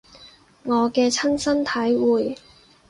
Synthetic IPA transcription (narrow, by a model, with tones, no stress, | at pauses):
ŋɔː˨˧kɛː˧t͡sʰɐ˥nsɐ˥nt̪ʰɐ˨˥jwuː˨j